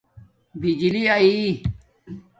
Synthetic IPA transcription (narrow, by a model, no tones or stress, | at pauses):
bid͡ʑiliai